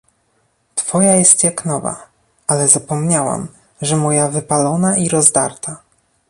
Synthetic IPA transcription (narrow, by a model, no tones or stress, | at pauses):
t̪fɔjajɛst̪jaknɔva̰ | alɛzapɔmɲawa̰m | ʐɛmɔjavɘpalɔnaʔiɾɔzd̪a̰ɾt̪a